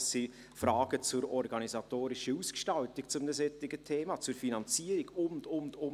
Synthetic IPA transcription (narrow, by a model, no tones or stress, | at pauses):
si | fɾɑːɡ̥ət͡sʊɾɔɾɡɑnizɑtoːɾɪʃəuːskʃtɑltɪkt͡sʊmdəsɛtːɪɡətʰeːmɑt͡sʊɾfinɑnt͡siːəɾɪɡʊndʊndʊ